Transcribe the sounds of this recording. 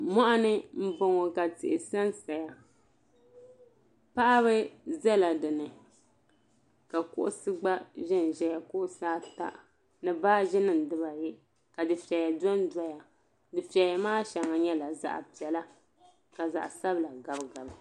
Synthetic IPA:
mɔ˦ʔa˦nɨ˦m̩˦bo˨ŋɔ˨ka˨tɪ̰˨ʔɪ˨sa˦nsa˨ja˨ | pa˦ʔa˦βɨ˦zɛ˦la˨dɨ˨nɨ˨ | ka˨kʊ˦ʔʊ˦sɨ˦ɡ͡ba˦ʒɪ˦n˨ʒɛ˦ja˨kʊ˦ʔʊ˦saː˦ta̰˦ʔ | nɨ˦baː˦ʒɪ˦nɨ˦n˨dɨ˦ba˨jɛ˦ | ka˨dɨ˨fi˨ɛ˨ja˨dɔ˦n˦da˦ja˨ | dɨ˨pi˨ɛ˨ja˨maː˦ʃa˨ŋa˨ɲɛ˦la˨za̰˦ʔa̰˨pi˨ɛ˨la˦ | ka˨za̰˨ʔsa˦bla˨ɡa˨bɡa˨b

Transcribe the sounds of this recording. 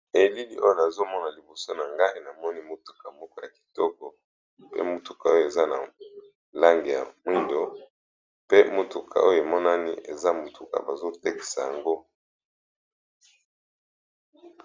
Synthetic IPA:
e˨li˦li˦ʔo˦jo˦˨na˨zo˦mɔ˦na˨li˨bo˨so˦na˨ŋɡa˦e˨na˨mɔ˦ni˦mo˦tu̥˨ka˨mɔ˦kɔ˦ja˨ki̥˨tɔ˦kɔ˨ | pḛ˦mo˨tu̥˨ka˨o˦jo˦˨e˨za˦na̰˨ | la˦ŋɡe˨ja̰˨mwi˦ndo˨ | pe˦mo˨tu˨kʰa̰˨o˦jo˨e˨mɔ˦na˦nḭ˦e˨za˦mo˨tʰu˨ka̰˨ba˨zo˦te˦ki̥˨sa˨ja˨ŋɡo˦

